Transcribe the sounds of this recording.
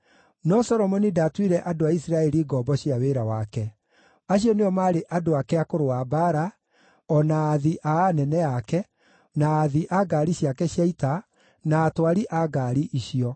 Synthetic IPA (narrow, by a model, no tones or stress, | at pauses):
nɔsɔɾɔmɔnidatwiɾɛʔadoaisiɾaɛɾiɡɔːbɔɕijaweɾawakɛ | aɕiɔneɔmaɾeʔadoakɛakoɾoabaɾa | ɔnaːðiʔaanɛnɛakɛ | naːðiʔaɡaːɾiɕjakɛɕjaita | naːtwaɾiʔaɡaːɾiʔiʃiɔ